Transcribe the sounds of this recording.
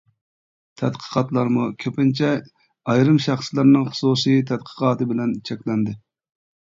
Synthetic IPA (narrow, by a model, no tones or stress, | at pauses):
t̪ʰɛd̪qʰə̥qʰɑt̪lˠɑɾmukʲʰøpɪnt͡ʃʰɛ | ɑjɾɨmʃɑχslˠɨɾnɨŋχʊ̥suːsijt̪ʰɛd̪̚qʰə̥qʰɑːt̪ɨbɪlɛnt͡ʃʰɛkʲlɛnd̪ɪ